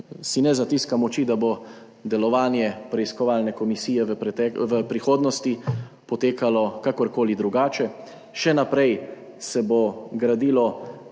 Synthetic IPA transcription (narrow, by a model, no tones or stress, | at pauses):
sinɛzat̪iskamɔt͡ʃid̪abo | d̪ɛlɔʋaːnjɛpɾɛiskɔʋaːlnɛkɔmisiːjɛpɛt̪ɛʋəpɾixoːd̪nɔst̪i | pɔt̪eːkalɔkakɔɾkoːlid̪ɾuɡaːt͡ʃɛ | ʃɛnapɾɛj | sɛboɡɾad̪iːlɔ